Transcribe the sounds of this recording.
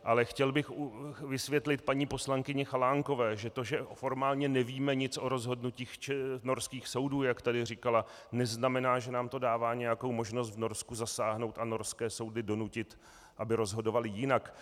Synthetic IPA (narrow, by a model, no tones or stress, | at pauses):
ʔalɛxcɛlbɪxvɪsvjɛt̪lɪt̪̚paɲiːpo̞slaŋkɪɲɛxalaːŋko̞vɛːʒɛt̪oʒɛfo̞ɾmaːlɲɛnɛviːmɛɲɪt͡sʔo̞ɾo̞zɦo̞dnuciːxt͡ʃɛno̞ɾskiːxso̞wduːjakt̪adɪrɪkala | nɛznamɛnaːʒɛnaːmt̪o̞daːvaːɲɛjako̞wmo̞ʒno̞st̪vno̞ɾskuzasaːɦno̞wt̪ano̞ɾskɛːso̞wdɪdo̞nucɪt̪ | ʔabɪɾo̞zɦo̞do̞valɪjɪnak